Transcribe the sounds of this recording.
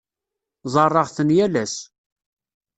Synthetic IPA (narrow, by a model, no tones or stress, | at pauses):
zˤɑrˤːɑʁθənjælæs